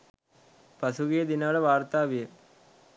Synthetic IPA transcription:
pɐsuɣijɐd̪inaːɭɐʋaːrt̪aːʋijɐ

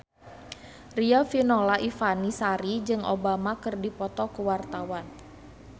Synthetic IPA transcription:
riafinɔlaʔifanisaɾid͡ʒɨŋʔo̰bamakərdipɔt̪ɔkuwart̪awan

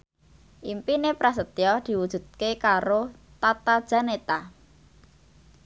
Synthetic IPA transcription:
ʔimpinepɾasət̪jɔd̪̥i̤wud̥ʒ̥ṳt̪̚kekaɾo | t̪at̪ad̥ʒ̥a̤net̪a

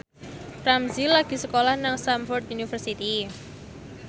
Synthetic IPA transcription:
ramzilaɡ̥i̤səkolahnaŋsamfɔrt̪unifərsit̪i

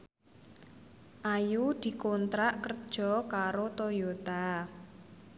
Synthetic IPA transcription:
ʔajud̪̥i̤kont̪ɾaʔkərd̥ʒ̥ɔ̤kaɾot̪ojot̪a

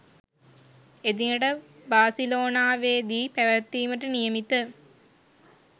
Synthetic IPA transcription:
ed̪iŋəʈəbaːsiloːnaːʋeːd̪iːpæʋɐt̪ːiːməʈənijɐmit̪ə

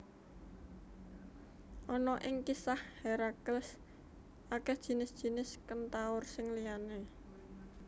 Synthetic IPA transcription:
ʔɔnɔʔɪŋkisahheɾakəls | ʔakɛhd̥ʒ̥i̤nɪsd̥ʒ̥i̤nɪskənt̪aʊrsɪŋliane

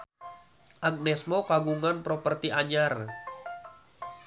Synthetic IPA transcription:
ʔaɡ̚nɛsmokaɡuŋanpɾopərt̪iʔaɲar

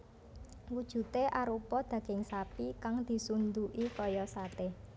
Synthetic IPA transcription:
wud̥ʒ̥ṳt̪eʔaɾupɔd̪̥ä̤ɡ̥ɪ̤ŋsapikaŋd̪̥i̤sund̪uʔikɔjɔsat̪ɪh

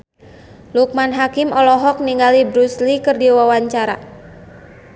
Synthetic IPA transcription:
luk̚manɦakimɔlɔɦɔk̚niŋɡalibɾuslikɨrdiwawaɲt͡ʃaɾa̰

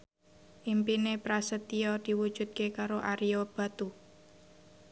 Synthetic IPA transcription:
ʔimpinepɾasət̪iɔd̪̥i̤wud̥ʒ̥ṳd̪̚kekaɾoʔaɾiob̥a̤t̪u

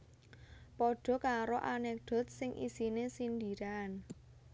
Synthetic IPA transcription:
pɔɖ̥ɔ̤kaɾoʔanɛk̚d̪̥ɔ̤t̪̚sɪŋʔḭsinesind̪iɾan

